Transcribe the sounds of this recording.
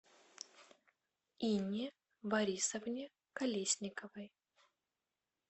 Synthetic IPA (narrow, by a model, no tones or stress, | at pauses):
inʲi | bɐɾʲisəvnʲɪ | kɐlʲesʲnʲɪkəvɨj